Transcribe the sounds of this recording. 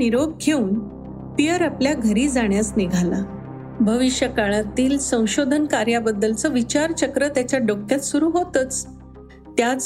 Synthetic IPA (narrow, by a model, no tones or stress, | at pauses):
iɾob̚ɡʰʱeuːn | pijəɾapljaɡʱəɾiːd͡zaɳjasniɡʱala | bʱəʋiɕjəkaɭat̪iːlsə̃w̃ɕod̪ʱənkaɾjabəd̪ːəlt͡sɔʋit͡ɕaɾt͡ɕəkɾət̪jat͡ɕjaɖokʰjat̪suɾuːɦot̪ət͡s | t̪jat͡s